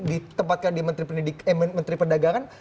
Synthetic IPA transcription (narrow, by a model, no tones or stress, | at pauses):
dit̪əmpat̪̚kandimənt̪ɾipəndidikməmənt̪ɾipərdaɡaŋan